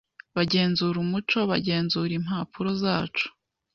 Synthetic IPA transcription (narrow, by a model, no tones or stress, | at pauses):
βaɟe̞ːnzuːɾumut͡ʃo̞βaɟe̞ːnzuːɾimhaːpʰuɾo̞zaːt͡ʃu̥